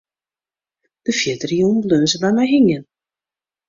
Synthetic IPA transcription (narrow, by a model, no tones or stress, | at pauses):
d̥əfjɪtərijuːnbløːzəbɛjmɛjɦiŋjən